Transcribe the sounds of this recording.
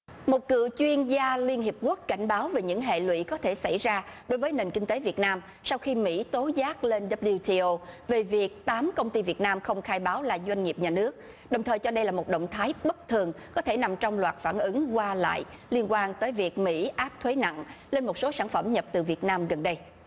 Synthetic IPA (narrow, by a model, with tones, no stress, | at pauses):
mo˨˩t̚kɨ̰˧˨t͡ɕwi˧ənzaː˧li˧ənhi˨˩əp̚ku˦˥əkka˧˩jŋ̟ɓaː˨˦wve˨˩ɲɨ̰˧˥ŋɦḛ˧˨lwḭ˧˨kɔ˨˦t̪ʰe˧˩sa˧˩jzaː˧ɗo˨˦jvəː˨˦jne˨˩nkï˧ŋ̟t̪e˨˦vi˨˩ət̚naː˧m | sa˧wxi˧mḭ˧˥t̪o˨˦zaː˦˥k̚le˧nɗə˦˥bli˧ti˧ʔo˧ve˨˩vi˨˩ək̚t̪aː˨˦mkə˧wŋ͡mt̪i˧vi˨˩ət̚naː˧mxə˧wŋ͡mxaː˧jɓaː˨˦wlaː˨˩zwa˧jŋ̟ŋi˨˩əp̚ɲaː˨˩nɨ˦˥ək̚ | ɗə˨˩wŋ͡mt̪ʰəː˨˩jt͡ɕɔ˧ɗə˧jlaː˨˩mo˨˩t̚ɗə̰˧˨wŋ͡mt̪ʰaː˨˦jɓə˦˥k̚t̪ʰɨ˨˩əŋkɔ˨˦t̪ʰe˧˩na˨˩mt͡ɕɔ˧wŋ͡mlwaː˨˩t̚faː˧˩nʔɨ˨˦ŋkwaː˧la̰ː˧˨j | li˧ənkwaː˧nt̪əː˨˦jvi˨˩ək̚mḭ˧˥ʔaː˦˥p̚t̪ʰwe˨˦na̰˧˨ŋle˧nmo˨˩t̚so˨˦saː˧˩nfə˧˩mɲə˨˩p̚t̪ɨ˨˩vi˨˩ət̚naː˧mɣə˨˩nɗə˧j